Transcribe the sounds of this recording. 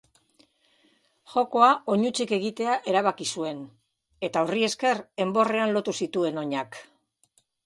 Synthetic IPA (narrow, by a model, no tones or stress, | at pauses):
ʝo̞ko̞ao̞ɲut͡sike̞ɣ̞it̪e̞aʔe̞ɾaβ̞akisue̞n | e̞t̪aorie̞ske̞re̞mbo̞re̞anlo̞t̪usit̪ue̞no̞ɲak